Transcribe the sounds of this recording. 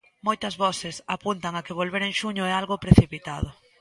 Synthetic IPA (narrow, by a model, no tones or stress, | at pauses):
mojt̪ɐzβɔθɪsapunt̪aŋakɪβ̞olβeɾeŋʃuɲʊɛalɣʊpɾeθipit̪aðʊ